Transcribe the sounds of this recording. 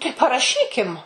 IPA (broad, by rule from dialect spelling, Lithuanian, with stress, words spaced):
tɐɪ pɐrɐˈʃʲiːkʲɪm